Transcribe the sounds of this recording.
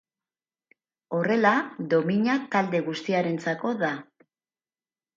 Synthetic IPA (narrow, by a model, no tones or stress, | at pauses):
o̞re̞laðo̞miɲat̪ald̪e̞ɣ̞ust̪iaɾe̞nt͡sako̞ða